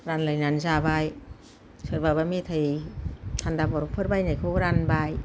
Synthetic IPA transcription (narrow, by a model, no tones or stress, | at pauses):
ɾanlajnanzabaj | sɯɾbabametʰɯj | tʰandabɔɾupʰɯɾbajnajkʰɯɾanbaj